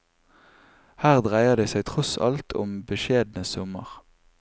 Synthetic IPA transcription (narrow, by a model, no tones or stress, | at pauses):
hæːʁd̪ʁæɪəʁd̪eːsæɪt̪ʰʁɔsɑ̰lt̪ʰʊ̰mbəʃeːd̪nəsɔmə̰ʁ